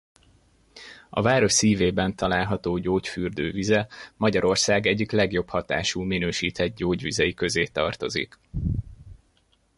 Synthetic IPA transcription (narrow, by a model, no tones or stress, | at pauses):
ɒ̰vaːɾo̞ʃsiːveːbɛnt̪ɒlaːlɦɒt̪oːɟoːcfyːrd̪ø̰ːvizɛmɒɟɒɾo̞rsaːɡɛɟːiklɛɡjo̞phɒt̪a̰ːʃuːminøːʃiːt̪ɛd̪̚ɟoːɟʋizɛjikø̞zeːt̪ɒ̰rt̪o̞zḭk